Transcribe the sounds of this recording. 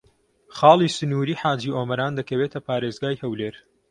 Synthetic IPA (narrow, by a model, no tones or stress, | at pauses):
χɑːlˠiːsɨnuːɾiːħaːd͡ʒiːʔoːmɐɾaːnd̪ɐkɐweːt̪ʰɐpʰaːɾeːzɡaːjhɐwleːɾ